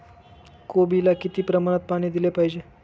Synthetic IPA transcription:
kobilakit̪iːpɾəmaɽ̃ət̪̚paɽ̃iːd̪ilepaɦid͡ʑe

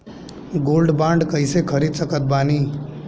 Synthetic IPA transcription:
ɡolɖbãɳɖkəjsekʰəɾid̪səkət̪̚bani

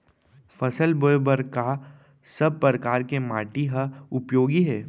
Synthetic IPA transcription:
fɐsəlbojbəɾka | sɐb̚pːɾəɾəkaːɾkemaːʈiɦɐʊpjoːɡiɦɛː

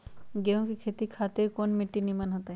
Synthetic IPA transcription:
ɡeũkikʰet̪ikʰat̪ekonmiʈːinimanɦɔt̪a

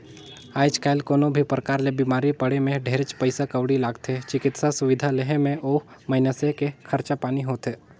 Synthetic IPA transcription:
aːɪd͡ʒkaɪlkoːnobʱipɾəkaːɾlebiːmaːɾipəɽemẽɖʱeːɾət͡ʃpəɪsakəʋɽilaːɡt̪ʰet͡ʃɪkɪt̪sasʊʋɪd̪ʱaleɦẽmẽʔoːmɐɪnəsekekʰɐɾt͡ʃapaːniɦoːt̪eː

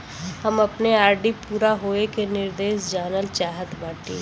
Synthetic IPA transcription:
hɐmɐpneaːɾɖipuːɾaɦoːekenɪɾd̪eːʃd͡ʒaːnəlt͡ʃaːɦət̪baːʈḭː

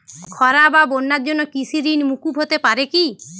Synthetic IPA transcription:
kʰɔɾababonːaɾd͡ʒɔnːɔkisiɾinmukubɦot̪epaɾeki

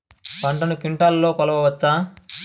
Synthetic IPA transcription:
pɐɳʈɐnukiɳʈaːllo̞ːkɔlɐʋɐʋɐt͡ʃːaː

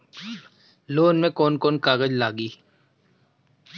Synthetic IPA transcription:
loːnmẽkoːnkoːnkaːɣəd͡ʒlaːɡiː

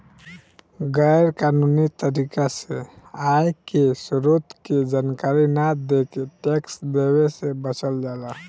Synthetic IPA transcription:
ɡɛjɾkanunit̪əɾikaseajkesɾot̪ked͡ʒaːnkaɾinad̪ekeʈeksd̪ewesebət͡ʃəld͡ʒala

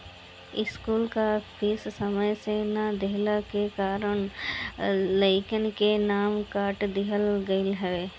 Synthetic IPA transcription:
ɪskuːlkapʰissəməjsenad̪eɦlakekaːɾəɳ | ləɪkənkenaːmkaːɾʈd̪ɪɦəlɡəɪlɦɛʋeː

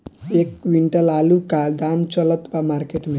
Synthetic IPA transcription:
ekwiɳʈʌlalukald̪amt͡ʃʌlʌt̪bamarkeʈme

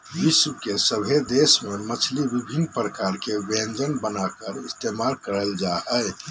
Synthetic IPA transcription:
ɦisukesəbʱed̪esmemət͡ʃʰlibibʱinːpɾəkaɾkebend͡ʒənbənakəɾist̪emalkəɾəld͡ʒaɦɛj

